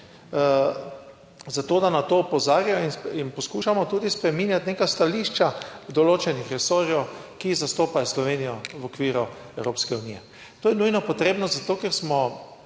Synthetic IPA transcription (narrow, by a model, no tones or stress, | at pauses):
zat̪oːd̪anat̪oːpɔzaːɾjajɔininpɔskuːʃamɔt̪uːd̪ispɾɛmiːnjat̪nekast̪aliʃt͡ʃad̪ɔloːt͡ʃɛnixɾɛsoːɾjɛwkizast̪oːpajɔslɔʋenijɔʋɔkʋiːɾɔ | ɛwɾoːpskɛuniːjɛ | t̪oːjɛnujnɔpɔt̪ɾeːbnɔzat̪oːkɛɾsmɔ